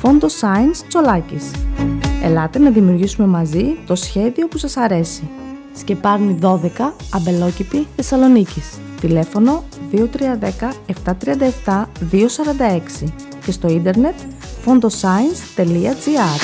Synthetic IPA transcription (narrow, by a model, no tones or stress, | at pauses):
fo̞nd̪o̞sɐinst͡so̞lɐcis | e̞̰lɐt̪enɐðimiuɾʝisume̞mɐzit̪o̞sçe̞ðio̞pusɐsɐɾe̞si | sce̞pɐɾniðo̞ðe̞kɐɐbe̞lo̞cit̪iθe̞sɐlo̞nicis | t̪ile̞fo̞no̞ðiot̪ɾiɐðe̞kɐe̞ft̪ɐt̪ɾiɐnd̪ɐeft̪ɐðio̞sɐɾɐnd̪ɐe̞ksi | ce̞st̪o̞ind̪e̞ɾne̞t̪ | fo̞nd̪o̞sɐinst̪e̞liɐd͡ziɐɾ